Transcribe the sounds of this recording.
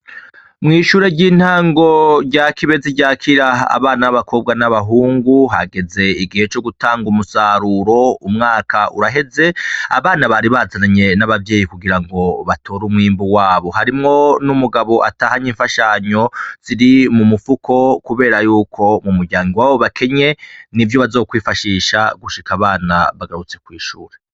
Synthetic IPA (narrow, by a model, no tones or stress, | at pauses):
mŋiːʃuɾe̞ɟiːn̥haːŋɡo̞ɾɟakiβe̞ziɟaːkʰiɾaa̰βaːnaaβakʰo̞b̚ɡanaβaɦuːŋɡuɦa̰ɡe̞ze̞iɡihe̞t͡ʃo̞ɡutaːŋɡumusaɾuɾo̞umŋaːkʰaʔṵɾaɦe̞ze̞a̰βaːnaβaɾiβazanaɲe̞naβavje̞ːjikuɡiɾaŋɡo̞βatʰo̞ːɾumŋiːmbuwaːβo̞haɾimŋo̞numuɡaβo̞ʔataːhaɲiːɱfaʃaɲo̞z̥iɾimumufukʰo̞kuβe̞ːɾajuːkʰo̞mumuɾɟaːŋɡiwaβo̞βakʰe̞ɲe̞nivjoβazokwiːfaʃiːʃaɡuʃikaβaːnaβaɡaɾut͡se̞kwiːʃuːɾe̞